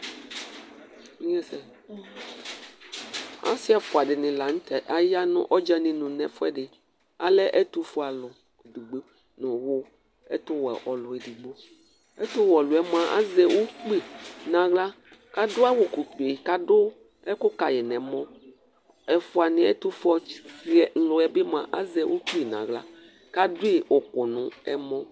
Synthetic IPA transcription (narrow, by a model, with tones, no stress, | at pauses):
ĩ˦ɛ˦sɛ˨ | a̰˦si˦a˨fʊ˨a˨ɖɪ˨nɪ̃˨la˨ŋ̩̃˦t̪ɛ˨ʔa˦ja˦nʊ̰̃˦ʔɔ˦d͡ʒa˦nɪ̃˨nũ˨nɛ̃˨fɛ˦ɖɪ˨ | a˨lɛ˦ʔɛ˦t̪u˦fu˦a˨lʊ˨ | du˨ɡ͡be˦ | nʊ̃˨wʊ˦ | ɛ̰˦t̪ʊ˦wɛ̰˨ʔɔ˨lʊ˨ɛ˨di˨ɡ͡bo˦ | ɛ˦t̪ʊ˦wɔ˨lʊ˨ɛ˦mã˨ʔa̰˦zɛ˨wo˦k͡pi˦nã˨ɣla˦ | ka˦dʊ˦a˦wo˨ku˨k͡pe˨ka˨dʊ˦ | ɛ˦kʊ˦ka˨jɛ˨nɛ̃˨mɔ̃˦ | ɛ˨fʊ˦a˨nɪ̃˨˦ɛ̰˦t̪u˦fɔ˦si˦ɛ˨ŋ̩˦lʊ˨˦ɛ˨˦be˦mã˨ʔa˦zɛ˨wʔo˦k͡pi˨nã̰˨ɣla˦ | ka˦dʊ˦i˦˨o˨kʊ˨nʊ̃˨ɛ̰˦mɔ̃˦